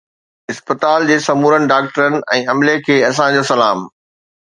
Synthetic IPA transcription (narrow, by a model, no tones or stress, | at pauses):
ɪspət̪aːld͡ʑeːsɐmuːɾənɪ̆ɖaːk̚ʈəɾənɪ̆ɛ̃ːɐmlekʰeːɐs̬ãd͡ʑoːsɐlaːm